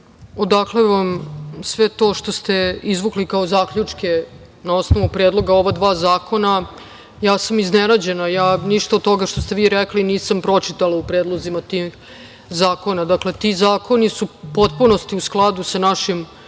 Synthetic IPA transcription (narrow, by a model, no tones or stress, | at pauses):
o̞d̪akleʋamsʋe̞t̪o̞ːʃt̪o̞st̪e̞izʋuklikaozaːkʎut͡ʂke | nao̞sno̞ʋupɾed̪lˠo̞ɡao̞ʋad̪ʋaːzaːko̞na | jaːsamiznenad͡ʑe̞najaːniʃt̪aod̪t̪o̞ɡaʃt̪o̞st̪eʋiɾɛkliniːsampɾo̞t͡ʃit̪alˠaupɾeːd̪lˠozimat̪ix | zaːko̞nad̪akle̞t̪izaːko̞nisupo̞t̪̚punost̪iusklˠad̪usanaʃim